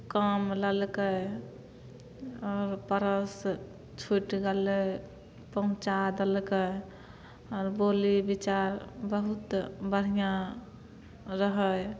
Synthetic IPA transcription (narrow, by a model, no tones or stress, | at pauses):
kəmləlkə | ɔːɾpəɾəs | t͡ʃʰuʈɡele | pəɦũt͡ʃad̪elkə | ɔɾbolibit͡ʃaɾbəɦut̪bəɽ̤ijã | ɾəɦəj